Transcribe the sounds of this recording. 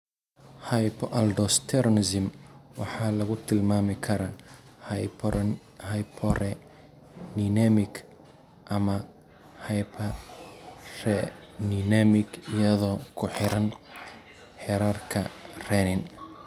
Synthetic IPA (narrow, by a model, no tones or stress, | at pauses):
hɐjpʰɔʔɐld̪ɔst̪ʰɛɾɔnɪsɪmwɑ̰ħɑːlɐɣʊt̪ʰɪlmaːmɪkʰɐɾɐ | hɐjpʰɔrɛ | ninɐmɪkʰ | ʔɐmɐ | hɐpʰɐ | rɛninamɪkɪjɐðɔːkʰʊħɪɾɐn | ħɛɾaːrkʰɐ̰rɛnɪn